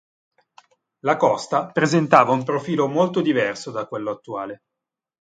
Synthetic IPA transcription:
lakɔst̪apɾezent̪aːvaumpɾofiːlomolt̪od̪ivɛrsod̪akːwelːoat̪ːuaːle

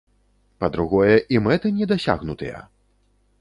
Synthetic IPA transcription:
pɐd̪ɾuɣɔjɛʔimɛt̪ɨnʲɛd̪asʲa̰ɣnut̪ɨ̰jɐ̰

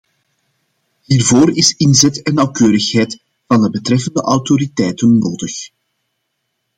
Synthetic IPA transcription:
ɦiːrvoːrɪsɪnzɛtɛnːɑwkøːɾəxɦɛjt | v̥ɑndəbətɾɛfəndə̰ʔɑwtoɾitɛjtənːoːdəx

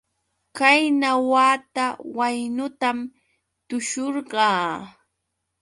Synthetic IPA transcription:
kajnawaːt̪awajnʊt̪am | t̪ʊʃoɾɢɑː

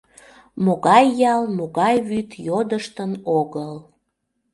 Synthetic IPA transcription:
moɣɑjːɑlmoɣɑjβyt̪jod̪əʃt̪ənoɣəl

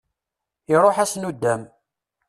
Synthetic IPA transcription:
ɪɾˤoħæsnud̪ːæm

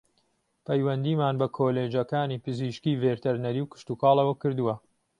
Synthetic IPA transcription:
pʰɐjwɐnd̪iːmaːnbɐkʰoːleːd͡ʒɐkaːniːpɨziʃkiːveːɾt̪ʰɐɾnɐɾiːwkɨ̥ʃt̪uːkɑːlˠɐwɐkɨɾd̪uwɐ

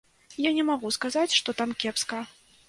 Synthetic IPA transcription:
janʲɛmaɣuskazat͡sʲʂt̪ɔt̪amkʲɛpskɐ

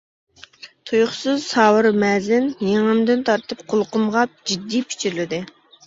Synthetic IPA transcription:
t̪ʰujʊχsɨzsɑːwɨɾmɛzɪnjeŋɪmd̪ɪnt̪ʰɑɾt̪ɨp̚qʰʊlˠqʊmʁɑp̚d͡ʒid̪ːijpʰi̥t͡ʃʰiɾlɪd̪ɪ

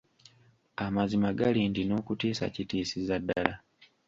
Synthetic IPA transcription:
amazimaɡalindino̞ːkutiːsa̰citiːsizadːa̰la

